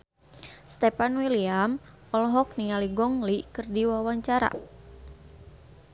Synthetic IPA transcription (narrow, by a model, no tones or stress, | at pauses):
st̪ɛpanwiliam | ɔlɦɔk̚nialiɡɔŋlikɨrdiwawaɲt͡ʃaɾa̰